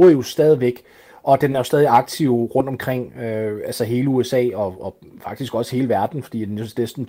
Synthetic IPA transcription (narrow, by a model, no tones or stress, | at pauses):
ɐjosd̥ɛːð̞ˠiʋeɡ̥ | ʔɒ̽d̥enæɐjo̝sd̥ɛːðˠiɑ̈ɡ̥̚t͡sʰiʊ̰ʁɔ̽n̰d̥ɒ̽mkʰʁeŋ̰øælsəɦe̝ːləuesɛ̰ːɒ̽ɒ | fɑ̈ɡ̥̚d̥isɡ̥ɒ̽sə̥he̝ːləʋæɐd̥n̩fɒd̥ḭːd̥enenesd̥n̩